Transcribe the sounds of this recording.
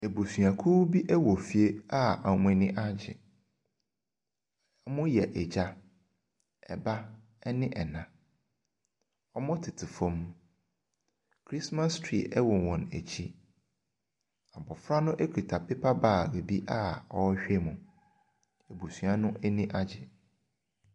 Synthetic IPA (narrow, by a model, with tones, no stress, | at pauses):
e˨bo˨sɥa˨kʰu˦bi˦ʔɛ˦wɔ˨fi˨e˦a˦a˨m̃˦ɛ˨nɪ̃˦ʔa˦d͡ʑɪ̰˨˦ | mʊ̃˦jɛ˨ʔɛ˨d͡ʑa˦ | ɛ̰˨ba˦ | ɛ˦nɪ̃˦ʔɛ˨nã˨ | ɔ˦mʊ̃˦tʰɪ˨tʰɪ˨fɔ̃˦m˦ | kʰɾi˦sma˦stʰɾḭ˨ɛ˦wɔ˨wɔ̃˨næ̰˨t͡ɕʰi˦ | a˨bɔ˨fɾa˦nʊ̃˦ʔe˦kʰi˨tʰa˨pɪ˦pʰa˦baː˦˨ɾe˨bi˦ʔa˦ɔ˨˦ɕᶣɛ˦mʊ̃˨ | e˨bu˨su˨ã˦nʊ̃˦ʔɛ˦nɪ̃˦ʔa˦d͡ʑɪ˨